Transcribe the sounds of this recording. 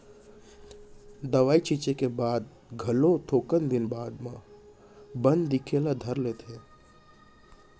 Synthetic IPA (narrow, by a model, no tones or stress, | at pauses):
d̪əʋaːit͡ʃit͡ʃekebaːd̪̚ | ɡʱɐlot̪ʰoːkənd̪ɪnbaːd̪mã | bə̃nd̪ːɪkʰelad̪ʱəɾleːt̪ʰeː